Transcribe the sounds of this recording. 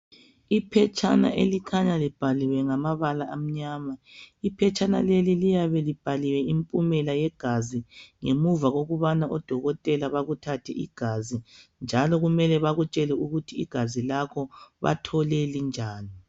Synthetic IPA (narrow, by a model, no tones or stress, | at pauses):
ipʰɛt͡ʃʰʼa̰na̰ʔelikʰaɲalib̥ʱaliwɛŋamaβalaʔam̩ɲaːmaipʰɛt͡ʃʼana̰lelilijaβɛlib̥ʱaliwɛimpʼumɛlajɛɡ̥ʱaziŋemuvaɣoɣuβanaʔɔd̥ʱɔɣɔtʼɛlaβaɣutʰatʰɛ̰ʔḭɡ̥ʱazind͡ʒʱalɔɣumɛlɛβaɣut͡ʃʼɛlɛuɣutʰḭːɡ̥ʱazilaɣɔβa̰tʰɔlelind͡ʒʱaːni